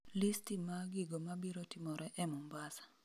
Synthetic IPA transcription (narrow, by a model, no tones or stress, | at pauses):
listimaɡɪɡomabiɾotimɔɾɛʔɛmumbasḁ